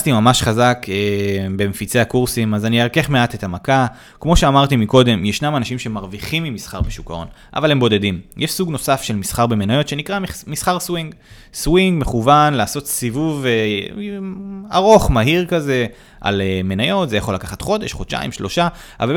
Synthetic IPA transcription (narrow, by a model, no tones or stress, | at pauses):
stimamaʃχazakebe̞mefit͡se̞akuʁsimazanieʁke̞χme̞ate̞tamaka | kmo̞ʃe̞amaʁt̪imiko̞d̪e̞mjeʃnamanaʃimʃeemaʁviχimːimisχaʁbeʃukao̞̰nʔa̰valembo̞de̞dimjʔeʃsuɡno̞safʃe̞lmisχaʁbe̞me̞najo̞t̪ʃe̞nikʁamisχaʁswiŋɡ | swiŋɡme̞χuvanlaːso̞t̪sivuve | aʁo̞χmaɦiʁkaze̞ | ʔa̰leme̞najo̞t̪zejaχo̞lakaχat̪χo̞de̞ʃχott͡ʃa̰ḭmʃlo̞ʃaaval